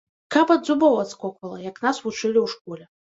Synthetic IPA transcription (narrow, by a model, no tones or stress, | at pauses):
kapɐd̪zubɔwat̪skɔkvɐlˠɐjɐknasvut͡ʂɨlʲiwʂkɔlʲɛ